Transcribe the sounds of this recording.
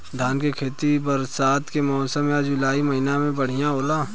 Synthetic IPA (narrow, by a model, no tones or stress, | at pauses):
d̪ʱaːnkekʰeːt̪ibɐɾsaːt̪ʰkemɔːsəmːẽad͡ʒʊlaːimɐɦinamẽbɐɽ̤ijãɦoːlaː